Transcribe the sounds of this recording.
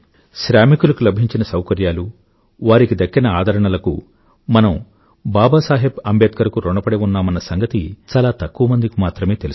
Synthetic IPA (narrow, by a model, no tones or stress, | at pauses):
ʃɾaːmikulɐkulɐbʱiɲt͡ʃinɐsɐwkɐɾjaːlu | ʋaːɾikid̪ɐkːinɐaːd̪ʱɐɾɐɳɐlɐkṵ | mɐnɐm | baːbaːsaːɦebɐmbeːt̪̚kɐɾɐkuɾɔɳɐpɐɽeunːaːmɐnɐsɐŋɡɐt̪it͡ʃaːlaːt̪ɐkːuʋɐmɐnd̪ikimaːt̪ɾɐme̞ːt̪elu